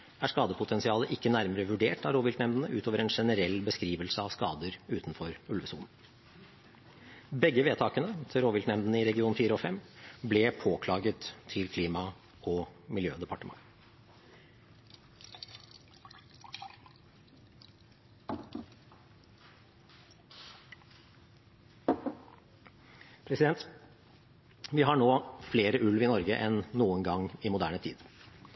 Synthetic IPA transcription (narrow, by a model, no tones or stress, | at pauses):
æʂkɑːd̪əpʰʊt̪ʰɛnsɪɑːləʔɪkːənæɾməɾəʋʉɖeːʈɑɾoːʋɪlt̪nɛmd̪ən̩əʔʉ̰ːt̪ʰoːʋəɾɛːnʂɛnəɾɛlːbəskɾiːʋəlsəɑʋskɑ̰ːd̪əɾʉːt̪nfɔɾʉlʋəsuːln̩ | bɛɡːəʋeːt̪ʰɑːkənət̪ʰɪɾoːʋɪlt̪nɛmd̪ənəɪɾɛɡɪuːnfiːɾəoːfɛmblɛpʰoːkʰlɑːɡət̪ʰːɪlkʰliːmɑ | ɔmɪljøːd̪ɛpɑʈəmɑ̰ŋ | pʰɾɛsɪd̪ɛnt̪ | ʋɪɦɑɳoːfleːɾəʔʉlʋɪnɔɾɡəʔɛnːuːəŋɡɑŋɪmʊd̪æːɳət̪ʰḭːd̪